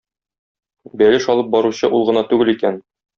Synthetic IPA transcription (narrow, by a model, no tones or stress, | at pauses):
bælɘʃɒlˠɤp̚bɒɾuɕɤʔulˠʁɤ̆nɑt̪ʉɡɘlikæn